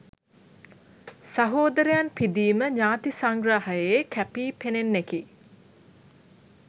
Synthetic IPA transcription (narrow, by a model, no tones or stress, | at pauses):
saɦoːd̪əɾəjanpid̪iːməɲaːt̪isaŋɡɾaɦajekæpiːpenenːeki